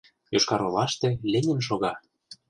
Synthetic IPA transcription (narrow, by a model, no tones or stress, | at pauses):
joʃkɑɾolɑʃt̪ĕlenʲɘ̆mʃ̬oɣɑ